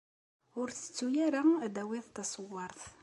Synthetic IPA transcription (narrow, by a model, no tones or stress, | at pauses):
ʊɾθə̥t͡sːujæɾad̪æwiðt̪ɑsˤəwːɑɾˤθ